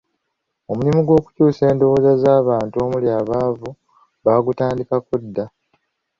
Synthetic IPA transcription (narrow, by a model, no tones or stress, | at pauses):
o̞mulimiɡwo̞ːku̥cuːse̞ːndo̞woːzazaːβaːntuo̞muljaːβaːvu | βaːɡutaːndikakudːa